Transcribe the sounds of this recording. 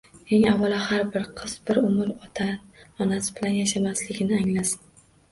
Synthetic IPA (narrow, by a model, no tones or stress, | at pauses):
eŋavalˠahaɾbɪɾqʰɨz̥bɪɾʊmɪɾɒt̪ʰaɒnasɪbɪlanjaʃamaslɪɡʲɪnɪaŋlasɪ̥n